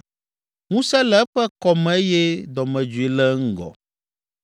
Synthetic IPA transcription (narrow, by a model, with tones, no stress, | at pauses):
ŋũ˦sɛ˦lɛ˦ɸɛ˦kɔ˨mɛ̃˨˦e˦jɛ˦d̪ɔ˨mɛ̃˨d͡ʒu˨i˨lɛ˦ŋ̩˦ɡɔ̰˨